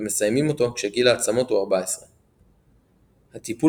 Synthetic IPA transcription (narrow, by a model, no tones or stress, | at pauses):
eme̞sajmimo̞t̪o̞kʃeɡilaːt͡samo̞t̪uaʁbae̞sʁe | hat̪ipu